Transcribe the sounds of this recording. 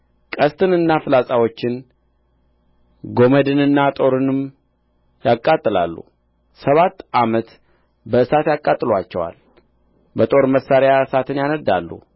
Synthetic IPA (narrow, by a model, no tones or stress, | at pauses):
kʼəst̪ʰɨnɨnːafɨlasʼawot͡ʃːɪn | ɡo̞məd̪ɨnɨnːat̪ʼo̞ɾɨnɨm | jakʼːat̪ʼːɨla̰lːṵ | səβat̪ːʔamət̪ | bəɨsat̪jakʼat̪ʼːɨlwat͡ʃːɛwa̰l | bət̪ʼo̞ɾməsːaɾjaɨsat̪ɨnjanəd̪ːa̰lːṵ